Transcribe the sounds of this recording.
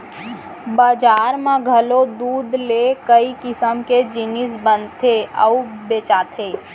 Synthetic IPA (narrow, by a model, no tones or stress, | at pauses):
baːd͡ʒaːɾmãɡʱɐlod̪uːd̪lekəikɪsəmked͡ʒɪnɪs̬bənt̪ʰeəubeːt͡ʃaːt̪ʰeː